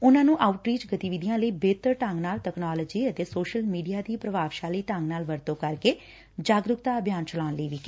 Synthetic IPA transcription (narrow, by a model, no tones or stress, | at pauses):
ʊnãːnũːʔaːʊʈɾiːt͡ʃɡət̪iːʋid̪ijãːləiːbeːt̪əɾʈə̃ŋɡnaːlʈɛːknaːləd͡ʒiːət̪eːsoːʃəlmiːɖijaːd̪iːpɾəʋaːʋʃaːliːʈə̃ŋɡnaːlʋəɾt̪õːkəɾkeː | d͡ʒaːɡɾʊkt̪aːəbʱjaːnt͡ʃəlaːnləiːʋiːkː